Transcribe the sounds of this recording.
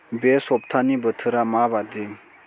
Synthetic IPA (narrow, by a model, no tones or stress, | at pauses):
besɔp̚tʰanibətʰɯɾamabadiŋ